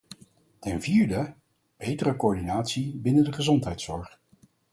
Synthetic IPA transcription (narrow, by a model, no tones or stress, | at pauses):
tɛnviːɹdə | b̥ejtərəkoːɹdinaːtsibɪnəndəχəzɔntɦɛjtsɔɹχ